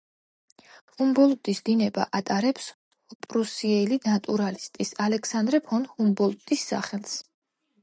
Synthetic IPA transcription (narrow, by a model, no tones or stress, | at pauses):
humbɔlˠd̪ʼisd̪inɛba̰ʔat̪ʼaɾɛps | ɔpʼɾusiɛlinat̪ʼuɾalist̪ʼisalɛksand̪ɾɛpʰɔnhumbɔlˠt̪ʼisːa̰χɛlˠs